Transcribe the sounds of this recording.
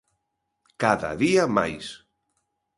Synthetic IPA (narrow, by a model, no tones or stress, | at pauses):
kaða̰ðiama̰js